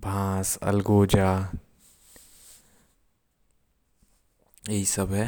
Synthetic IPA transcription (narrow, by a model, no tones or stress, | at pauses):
bʱãːsɐ̰lɡoːd͡ʒaː | jɐɦisɐbɦɛ